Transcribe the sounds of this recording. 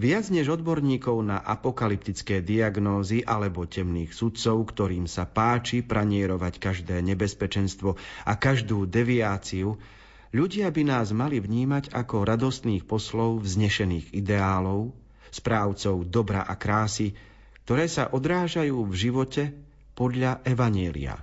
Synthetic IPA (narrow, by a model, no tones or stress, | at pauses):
ʋɪad͡zɲɛʒɔd̪bɔɾɲiːkɔʊnaʔapɔkalip̚t̪it͡skɛːd̪iaɡnɔːziʔalɛbɔcɛmniːxsut̪t͡sɔʊkt̪ɔɾiːmsapaːt͡ʃipɾaɲɪɛɾɔʋackaʒd̪ɛːɲɛbɛspɛt͡ʃɛnst̪ʋɔʔakaʒd̪uːd̪ɛʋiaːt͡siu | ʎuɟɪabinaːzmalivɲiːmaɟakɔɾad̪ɔst̪niːxpɔslɔʊvzɲɛʃɛniːɣid̪ɛaːlɔʊ | spɾaːʊt͡sɔʊd̪ɔbɾa̰ʔakɾaːsi | k̚t̪ɔɾɛːsaʔɔd̪ɾaːʒajuːvʒiʋɔcɛ | pɔd̪ʎaʔɛʋaɲɪɛlḭa̰